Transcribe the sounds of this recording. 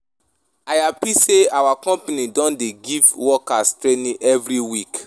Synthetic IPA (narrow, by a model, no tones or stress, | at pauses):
ajapiseawakɔ̃mpanĩdɔ̃ndeɡivwɔkastɾenĩʔɛvɾiwik